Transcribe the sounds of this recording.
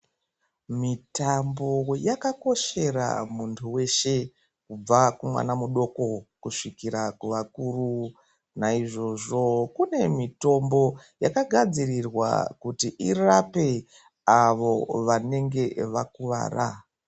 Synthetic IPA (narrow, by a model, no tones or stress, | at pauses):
mitambo̞jakako̞ʃe̞ra̰muntʰuwe̞ʃe̞ | kub͡vakumwa̰namuɗo̞ko̞kuʂikiɾakuʋakuːru | naiʐo̞ʐo̞kune̞mito̞mbo̞jakaɡʱad͡zirirwa̰kutiʔirape̞ | aʋo̞ʋane̞ŋɡe̞ʋakuʋa̰ːra